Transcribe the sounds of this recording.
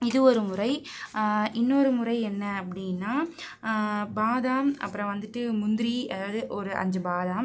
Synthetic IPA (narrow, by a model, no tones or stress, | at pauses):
ɪðɯɔɾɯmʊrɐɪ | ʔɪnːoɾɯmʊɾɐɪɛnːɐːpːɐɽɪnːaː | baːðaːmɐ̰pːɯɾɐ̃ʋɐnd̪ɯʈːɯmʊnd̪ɪɾiɐðaːðɯʔɔɾɯʔɐ̰ɲd͡ʒɐbaːðaːm